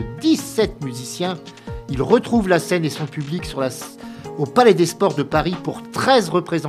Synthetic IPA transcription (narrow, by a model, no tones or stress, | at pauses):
d̪isɛt̪̚myzisjɛ̃ | ilʁət̪χuvlasɛnesɔ̃pybliksyʁlaopalɛd̪espɔʁd̪əpaʁipuʁt̪χɛzʁəpχezɑ̃